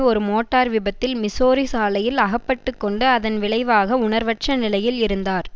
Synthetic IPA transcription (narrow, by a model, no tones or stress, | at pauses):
ɔɾɯmoːʈːaːɾʋɪbɐt̪ːɪlmɪsoːɾisaːlɐjɪlɐɣɐpːɐʈːɯkːɔɳɖɯɐðɐnʋɪɭɐɪʋaːɣɐʊɳɐɾʋɐʈ̚t͡ʃɐnɪlɐjɪlɪɾɯnd̪aːɾ